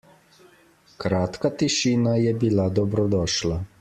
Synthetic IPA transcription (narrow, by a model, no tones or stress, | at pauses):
kɾaːt̪kat̪iʃiːnajɛbilad̪ɔbɾɔd̪ɔːʃla